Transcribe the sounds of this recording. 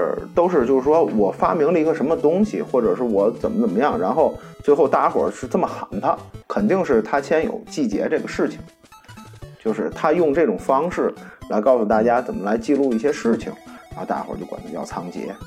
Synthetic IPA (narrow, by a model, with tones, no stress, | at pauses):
t̪o˥ʊʂɻ̩˥˧t͡ɕjo˥˧ʊʂɻ̩˥˩ʂwɔ˥wɔ˨˩fa̰˥mi˧˥ŋlə˧i˧˥ɡə˧ʂə˧˥mə˧t̪ʊ˥ŋɕḭ˨xwɔ˥˩ʈ͡ʂɤ˨˩ʂɻ̩˥˩wɔ˧˥t͡sə˨˩nmə˦t͡sə˨˩mə˦jɑ˥˩ŋɻa˧˥nxo˥˩ʊt͡swe˥˧xo˥˧ʊt̪a˥˩xwə̰˨˩ʂɻ̩˥˧t͡sə˥˩mə˩xa˧˥np̪ʰə˧kʰə˨˩nt̪i˥˧ŋʂɻ̩˥˩t̪ʰa˥t͡ɕʰjɛ˥njo̰˨˩ʊt͡ɕi˥˩t͡ɕjɛ̰˧˥ʈ͡ʂɤ˥˩ɡə˩ʂɻ̩˥˩t͡ɕʰi̥˨˩ŋ | t͡ɕjo˥˧ʊʂɻ̩˥˩t̪ʰa˥jʊ˥˧ŋʈ͡ʂɤ˥˩ʈ͡ʂʊ˨˩ŋfɑ˥ŋʂɻ̩˥˩la˧˥ɪkɑ˥˧ʊsu˧˩t̪a˥˩t͡ɕja˥t͡sə˨˩nmə˦la˧˥ɪt͡ɕi˥˧lu˥˧i˥˩ɕjɛ˥ʂɻ̩˥˩t͡ɕʰḭ˨˩ŋɻɻa˧˥xo˥˧ʊt̪a̰˥˩xwə̰˨˥t͡ɕo˥˩ʊkwa̰˨˩nt͡ɕʰə˧˥jɑ̰˥˩ʊt͡sʰɑ˥ŋt͡ɕjɛ̰˧˥